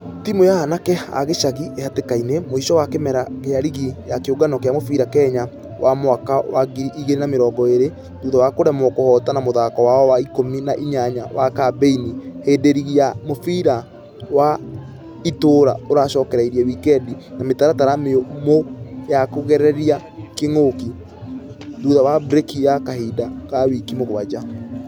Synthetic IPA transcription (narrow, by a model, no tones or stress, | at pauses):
timojahanakɛa̰ɣeʃaɣiehatekainemoiʃɔwakemɛɾaɣeaɾiɣijakeoɡanɔkeamofiɾakɛːɲa | wʔamoakawaɡiɾiʔiɣeɾenameɾɔːŋɡɔeɾe | duːðawakoɾɛmɔkohɔtanamoðaːkɔwaɔwaikominaʔiɲaɲawakabeinihedeɾiɣiamofiɾa | wa | itoɾa̰oɾaʃɔːkɛɾaiɾiɛwikɛdinametaɾataɾameomojakoɣɛɾɛɾia | keŋoki | duːðawabɾekijakahidakawikimoɣoβad͡ʒa